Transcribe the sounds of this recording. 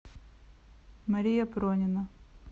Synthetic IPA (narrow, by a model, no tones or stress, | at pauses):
mɐɾʲijɐpɾɔnʲɪnɐ